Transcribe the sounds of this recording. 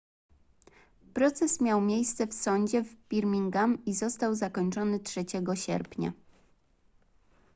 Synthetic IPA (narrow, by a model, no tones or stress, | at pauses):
pɾɔt̪sɛsmʲjawmʲjejst̪sɛfsɔɲd͡ʑɛvbʲiɾmʲiŋɡamizɔst̪awzakɔɲt͡ʂɔnɘtʂɛt͡ɕɛɡɔɕɛ̰ɾpʲɲa̰